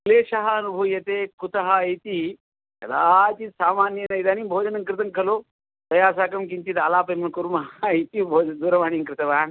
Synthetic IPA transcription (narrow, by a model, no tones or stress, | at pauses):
kleːʃɐɦaɐnubʱuːjɐt̪ekut̪ɐɦajt̪i | kɐ̰d̪at̪iːt̪saːmaːnjɐnɐjd̪aːniːmbʱoːd͡ʒɐnɐŋkɾɨt̪ɐŋkʰɐloː | t̪ɐjaːs̬aːkɐmkint̪iːt̪alaːpɐjmɐnkuɾmɐɦajt̪ibʱoːd͡ʒd̪uːɾɐʋaːniŋkɾɨt̪ɐʋaːn